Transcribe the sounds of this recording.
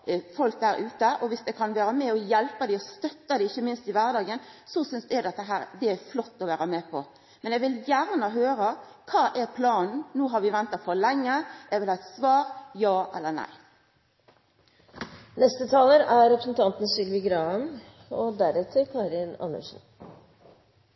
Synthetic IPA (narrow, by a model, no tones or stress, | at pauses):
fɔlk̚d̪æːɾʔʉːt̪əʔɔʋɪsd̪ɛkʰɑnʋæːɾəmɛɔjɛlpəd̪ɪɔst̪œt̪ːəd̪ɛɪçːəmɪnst̪ɪʋæʁd̪ɑːɡənsɔsʏnsd̪ɛæd̪ɛt̪ːəɦæːɾd̪ɛæflɔt̪ːɔʋæːɾəmɛpʰɔ̰ | mɛnɛɡʋɪljæʁnəɦøːɾə | kʰɑːʔɛɾpʰlɑːnn̩nuːɦɑɾʋɪʋɛnt̪ɑfɔɭɛŋːəɛʋɪlhɑːɛt̪sʋɑːʁjɑːʔɛ̰lːənæ̰ɪ | nɛst̪ət̪ʰɑːləɾæɾɛpɾəsnt̪ʰɑnt̪nəsʏɡʋɪɡɾɑən | ɔd̪æɾɛt̪ʰəɾkʰɑɾɪnɑ̰nə̰ʂn̩